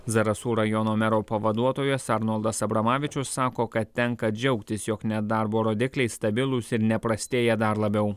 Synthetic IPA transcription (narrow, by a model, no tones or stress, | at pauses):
zɐɾɐsuːɾɐjɔnoːmʲɛɾoːpɐʋɐd̪uɔt̪oːjosɐɾnolˠd̪ɐsɐbɾɐmɑːʋʲɪt͡ʃʲʊsːɑːkoːkɐt̪t̪ʲɛŋkɐd͡ʒʲɛʊkt̪ʲɪsjɔknʲɛd̪ɐɾboːɾoːd̪ʲɪklʲɛɪst̪ɐbʲɪlˠʊsɪɾnʲɛpɾɐsʲt̪ʲeːjɛd̪ɐɾlˠɐbʲɛʊ